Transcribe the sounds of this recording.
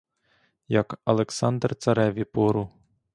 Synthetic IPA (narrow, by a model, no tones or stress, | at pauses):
jɐkɐlˠeksɑnd̪rt̪sɐɾɛʋʲipɔɾʊ